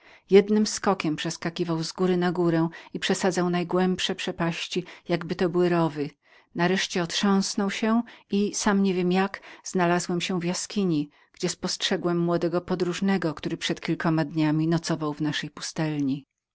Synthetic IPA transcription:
jɛd̪nɘmskɔkʲɛmpʂɛskakʲivawzɡuɾɘnaɡuɾɛ̃ipʂɛsad̪zawnajɡwɛmpʂɛpʂɛpaɕt͡ɕijaɡbɘt̪ɔbɘwɘɾɔvɘ | naɾɛʂt͡ɕɛɔt̪ʂɔ̃w̃snɔwɕɛisamɲɛvʲjɛmjakz̥nalazwɛmɕɛ̃vjaskʲiɲi | ɡ̥d͡ʑɛspɔstʂɛɡwɛmːwɔd̪ɛɡɔpɔd̪ɾuʐnɛɡɔkt̪uɾɘpʂɛt̪kʲilkɔmad̪ɲamʲinɔt̪sɔvawvnaʂɛjpu̥st̪ɛlɲi

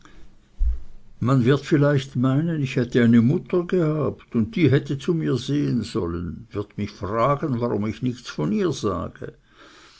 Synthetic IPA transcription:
manvɪɐtfɪlaɪçtmaɪnənɪçhɛtəaɪnəmʊtɐɡəhaːptʊnt̚d̥iːɦɛtət͡sumiːɐzeːənzɔ̰lənvɪɐtmɪçfʁ̥aːɡənvaʁʊmɪçnɪçt͡sfɔniːɐza̰ːɡ̥ə̰

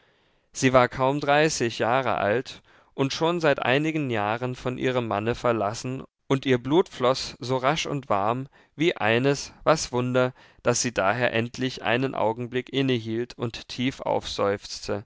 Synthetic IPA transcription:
z̥iːvaːɐkʰaʊmdʁaɪsɪçjaːʁə̰ʔa̰lt | ʔʊntʃoːnzaɪtʔa̰ɪnɪɡən̩jaːʁənfɔnʔḭːʁ̞əmːanəfɛɐlasn̩ | ʔʊntʔiːɐbluːtflɔsz̥oːʁaʃʊ̰ntv̥aɐm | viːʔa̰ɪnəsv̥asv̥ʊndɐ | d̥asz̥iːdaːɦeːɐʔɛntʰlɪçʔa̰ɪnənʔa̰ʊɡŋ̩blɪkʔɪnəɦiːltʰʊntʰːiːfʔa̰ʊfz̥ɔʏft͡stʰə

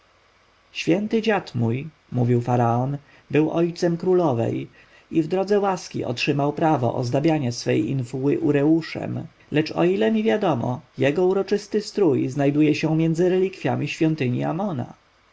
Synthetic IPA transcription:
ɕfʲjɛnt̪ɘd͡ʑat̪muj | muvʲiwfaɾaɔn | bɘwʔɔjt̪sɛmkɾulɔvɛ̰j | ivd̪ɾɔd̪zɛwaskʲḭɔ̰tʂɘmawpɾavɔ̰ʔɔ̰zd̪abʲjaɲasfɛjḭnfuwɘʔuɾɛuʂɛ̰m | lɛt͡ʂɔ̰ilɛmʲivʲjad̪ɔmɔ̰jɛɡɔuɾɔt͡ʂɘst̪ɘst̪ɾujznajd̪ujɛɕɛmʲjɛnd̪zɘɾɛlʲikfʲjamʲiɕfʲjɔnt̪ɘɲḭamɔna̰

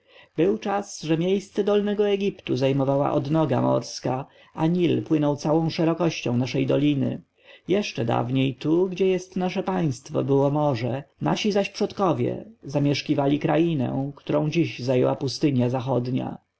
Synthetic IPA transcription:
bɘwt͡ʂasʐɛmʲjejst̪sɛd̪ɔlnɛɡɔɛɡʲipt̪uzajmɔvawa̰ʔɔd̪nɔɡa̰mɔ̰ɾska | aɲilpwɘnɔwt̪sawɔ̃w̃ʂɛɾɔkɔɕt͡ɕɔ̃w̃naʂɛjd̪ɔlʲinɘ̰ | jɛʂt͡ʂɛd̪a̰vɲejt̪uɡd͡ʑɛjɛst̪naʂɛpaj̃st̪fɔ̰bɘwɔmɔʐɛna̰ɕizaɕpʂɔt̪kɔvʲjɛ̰zamʲjɛʂkʲivalʲikɾajinɛ̰̃kt̪uɾɔ̃w̃d͡ʑiʑzajɛwapust̪ɘɲjazaxɔd̪ɲa̰

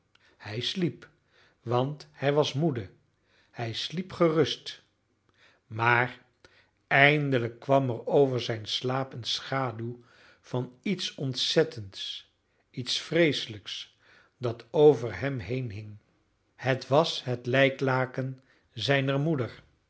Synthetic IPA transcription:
hɛjslip | ʋɑnthɛjʋɑsmudə | hɛjslipχərɵst | maːr | ɛjndələkːʋɑmɛrowvəɹzɛjnslaːpənsχaːdyw | v̥ɑnitsɔntsɛtʰənts | itsfrejsələks | dɑtʰowvəɹɦɛmɦejnɦɪŋ | hətʋɑsɦətlɛjklaːkən | zɛjnəɹmudəɹ

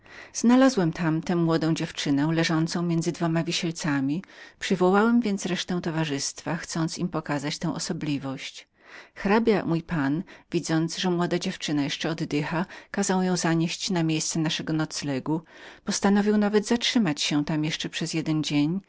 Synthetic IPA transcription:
z̥nalazwɛmt̪ʰamt̪ɛ̃mːwɔd̪ɔ̃w̃d͡ʑɛft͡ʂɘnɛw̃lɛʐɔnt̪sɔ̃w̃mʲjɛnd̪zɘd̪vɔmavʲiɕɛlt̪samʲipʂɘvɔwawɛmvʲjɛnt̪sɾɛʂt̪ɛ̃w̃t̪ɔvaʐɘst̪faxt̪sɔnt̪simpɔkazat͡ɕt̪ɛ̃w̃ʔɔ̰sɔblʲivɔɕt͡ɕ | xɾabʲjamujpanvʲid̪zɔnd̪zʐɛmwɔd̪ad͡ʑɛft͡ʂɘnajɛʂt͡ʂɛɔd̪ːɘxakazawjɔ̃w̃zaɲeɕt͡ɕnamʲjejst̪sɛnaʂɛɡɔnɔt̪slɛɡupɔst̪anɔvʲiwnavɛd̪zatʂɘmat͡ɕɕɛt̪amjɛʂt͡ʂɛpʂɛzjɛd̪ɛnd͡ʑeɲ

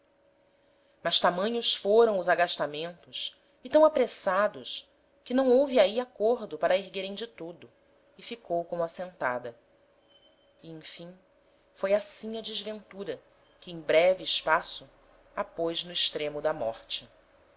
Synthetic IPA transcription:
mɐʃt̪amɐ̃ɲʊsfoɾɐ̃w̃ʊzaɡaʃt̪amẽnt̪ʊs | ɪt̪ɐ̃w̃apɾesad̪ʊs | kɪnɐ̃w̃owvɪaiakoɾd̪ʊpaɾɐeɦɡeɾẽj̃d͡ʒɪt̪od̪ʊ | ɪfikowkõmʊasẽnt̪a̰d̪ɐ | iẽj̃fĩŋ | fojasĩɲɐd͡ʒɪzvẽnt̪uɾɐ | kɪẽj̃bɾɛvɪːʃpasʊ | apojznʊɪʃt̪ɾẽmʊd̪ɐmɔ̰χt͡ʃɪ

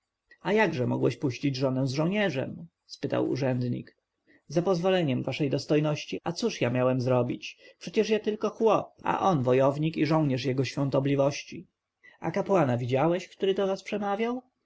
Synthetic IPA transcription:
ajaɡʐɛmɔ̰ɡwɛ̰ɕpuɕt͡ɕid͡ʑʐɔnɛw̃zʐɔwɲɛʐɛ̰m | spɘt̪a̰wṵʐɛnd̪ɲḭk | zapɔzvɔlɛɲɛmvaʂɛjd̪ɔst̪ɔjnɔɕt͡ɕiat̪suʂjamʲjawɛmzɾɔbʲit͡ɕpʂɛt͡ɕɛʂjat̪ɘlkɔxwɔp̚a̰ʔɔnvɔjɔvɲikiʐɔ̃w̃ɲɛʂjɛɡɔɕfʲjɔ̃nt̪ɔblʲivɔɕt͡ɕi | a̰kapwanavʲid͡ʑawɛɕkt̪uɾɘd̪ɔvaspʂɛmavʲjaw

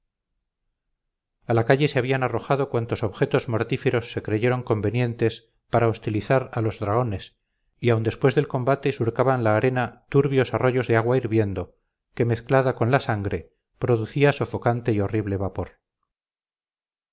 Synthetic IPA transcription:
alakaʎe̞seaβianaro̞xaðo̞kwant̪o̞so̞βxe̞t̪o̞zmo̞ɾt̪ife̞ɾo̞sːe̞kɾeʝe̞ɾo̞ŋko̞mbe̞nje̞nt̪e̞s | paɾaost̪iliθaɾalo̞zðɾaɣo̞ne̞s | iawnd̪e̞spwe̞zðe̞lko̞mbat̪e̞suɾkaβanlaːɾe̞nat̪uɾβjo̞saro̞ʝo̞zðeaɣwaiɾβje̞nd̪o̞ | ke̞me̞θklaðako̞nlasaŋɡɾe̞ | pɾo̞ðuθiaso̞fo̞kant̪e̞io̞riβle̞βapo̞ɾ

